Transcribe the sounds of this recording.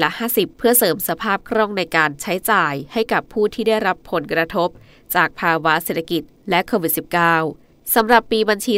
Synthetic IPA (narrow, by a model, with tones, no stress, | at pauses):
la˦˥haː˥˩si˨˩pʰːɯ˥˩ɐsɤː˩˦msa˧pʰaː˥˩p̚kʰɾɔ˥˩ŋna˧jkaː˧nt͡ɕʰa˦˥jt͡ɕaː˨˩jha˥˩jka˨˩pʰːuː˥˩t̪ʰiː˥˩da˥˩jɾa˦˥pʰːo˨˩˦nkɾa˧t̪ʰo˦˥p̚ | t͡ɕaː˨˩k̚pʰaː˧wa˦˥se˨˩t̪ʰːa˧ki˨˩t̪̚lɛ˦˥ʔkʰoː˧wi˨˩t̪̚si˨˩p̚kaː˥˩w | sa˩˦mɾa˨˩pːiː˧ba˧nt͡ɕʰiː˧